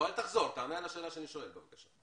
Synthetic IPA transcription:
alt̪aχzo̞ʁt̪aːmealaʃeːlaʃeaniʃo̞e̞lbevakaʃa

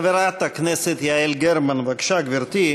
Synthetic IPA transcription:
ʋʲɛɾaːt̪ɐknʲɛsʲet̪jaɛlʲɡʲɛɾmɐnʋɐkʃaɡʋʲɪɾt̪ʲiː

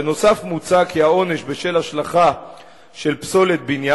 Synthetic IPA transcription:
no̞safmut͡sakiao̞ne̞ʃbeʃelaʃlaχa | ʃe̞lpso̞le̞t̪̚binja

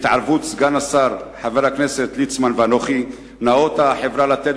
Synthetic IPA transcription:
t̪ʕaɾvut̪zɡanasaɾħaveɾhakneset̪lit͡smanveanoχi | nao̞t̪haħevɾalat̪et

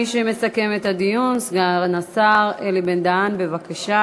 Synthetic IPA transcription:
iʃeme̞sake̞met̪ad̪ijunsɡaʁnasaʁelibend̪anbe̞vakaʃa

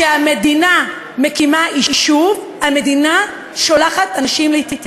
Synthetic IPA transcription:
ʃeame̞dina | mekimaiiʃuv | hame̞dina | ʃolaχatanaʃimleitit

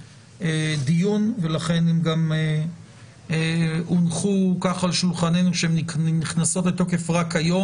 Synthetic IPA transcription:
ed̪ijunve̞laχe̞nemɡame | unχukaχalʃulχanejnuʃeemniniχnaso̞tlet̪o̞ke̞fʁakajo̞

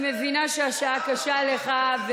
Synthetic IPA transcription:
mevinaʃeaʃaakaʃaleχav

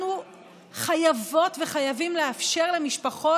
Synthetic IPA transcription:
nu | χajavo̞tve̞χajavimleafʃe̞ʁlemiʃpaχo̞

